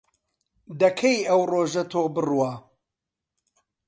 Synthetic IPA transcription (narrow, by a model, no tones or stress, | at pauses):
d̪ɐkʰejɐwroːʒɐt̪ʰoːbɨrwa